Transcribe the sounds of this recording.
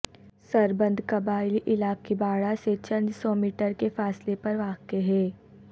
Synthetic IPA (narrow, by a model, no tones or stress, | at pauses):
sɐɾbə̃nd̪ʱkɐbaːɪliʔɪlaːkkibaːɽaset͡ʃɐ̃nd̪sɔːmiːʈəɾkefaːslepɐɾʋaːkeɦɛ̃ː